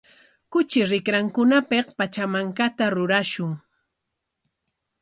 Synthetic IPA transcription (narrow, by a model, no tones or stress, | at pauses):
kʊt͡ʃɪɾɪkɾaŋkʊnapeqpat͡ʃamaŋkat̪aɾʊɾaʃʊŋ